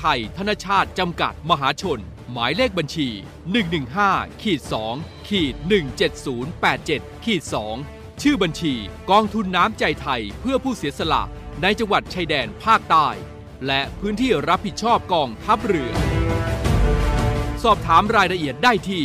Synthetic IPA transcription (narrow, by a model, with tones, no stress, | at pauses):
t̪ʰa˧jt̪ʰa˧˥naː˥˩t͡ɕʰaː˥˩t̪̚t͡ɕa˧mka̰˨˩t̪̚ma˧ɦaː˩˦t͡ɕʰo˧nmaː˩˦jle˥˩k̚ba˧nt͡ɕʰiː˧ | nɯ˨˩ŋnɯ˨˩ŋɦaː˥˩kʰiː˨˩t̪̚sɔː˩˦ŋkʰiː˨˩t̪̚nɯ˨˩ŋt͡ɕe˨˩t̪̚suː˩˦npɛː˨˩t̪̚t͡ɕe˨˩t̪̚kʰiː˨˩t̪̚sɔː˩˦ŋ | t͡ɕʰɯː˥˩ba˧nt͡ɕʰiː˧kɔː˧ŋt̪ʰu˧nːaː˦˥mt͡ɕa˧jt̪ʰa˧jpʰɯ˥˩əpʰuː˥˩siː˩˦əsa˧la̰˨˩ʔna˧jt͡ɕa˧ŋwa˨˩t̪̚t͡ɕʰa˧jdɛː˧npʰaː˥˩k̚t̪aː˥˩j | lɛ˦˥ʔpʰɯː˦˥nt̪ʰiː˥˩ɾa˦˥p̚ːi˨˩t̪̚t͡ɕʰɔː˥˩p̚kɔː˧ŋt̪ʰa˦˥p̚ɾɯ˧˩ɐ | sɔː˥˩p̚t̪ʰaː˩˦mɾaː˧jɾa˧ʔi˨˩ət̪̚daː˥˩jt̪ʰiː˥˩